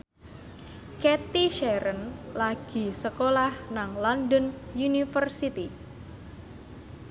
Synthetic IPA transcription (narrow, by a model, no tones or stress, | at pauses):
ket̪iʃɛɾənlaɡ̥i̤səkolahnaŋlɔndənjunifərsit̪i